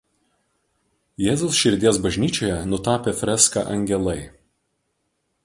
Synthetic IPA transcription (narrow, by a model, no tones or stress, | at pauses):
jɛːzʲoʊsʃʲɪɾʲd̪ʲiɛsbɐʒʲnʲiːt͡ʃʲoːjɛnʊt̪ɑːpʲefʲɾʲɛskɑ̰ʔɐ̰ŋʲɡʲɛlˠɐɪ